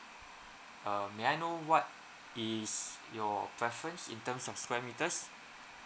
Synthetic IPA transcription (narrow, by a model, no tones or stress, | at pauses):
ʔəmeajnowɔt̚ | isjɔpɹɛfɹə̃nsḭ̃ntə̃msɔfskwɛmitəs